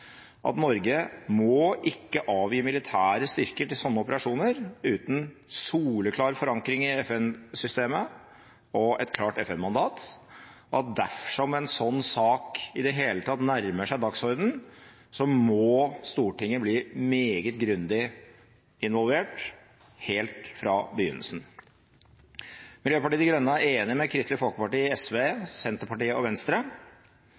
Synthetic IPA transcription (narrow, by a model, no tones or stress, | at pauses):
ʔɑ̰t̪nɔɾɡəmɔʔɪkːəʔɑːʋjiːmɪlɪt̪ʰæːɾəst̪ʏɾkəʈɪlsɔnːəɔpəɾɑʂuːnəɾʉːt̪n̩suːləkʰlɑːɾfɔɾɑŋkɾɪŋɪɛfɛnsʏst̪eːmə | ɔɛt̪kʰlɑːʈɛfɛnmɑnd̪ɑːt̪ | ɔɑt̪̚d̪æfʂɔmɛnsɔnːsɑːkɪd̪ɛɦeːlət̪ʰɑt̪næɾməʂæɪd̪ɑksɔɾd̪n̩ | sɔmɔst̪uːʈɪŋːəbliːmeːɡət̪̚ɡɾʉnd̪ɪ | ɪnʋɔlʋeːʈ | heːlt̪fɾɑbəjʏ̰nːə̰lsn̩ | mɪljøːpɑʈiːd̪ɪɡɾœnːəæɾeːnɪmɛkʰɾɪst̪lɪfɔlkəpɑʈiːɛsʋesɛnt̪əɾpɑʈiːəɔʋɛnst̪ɾə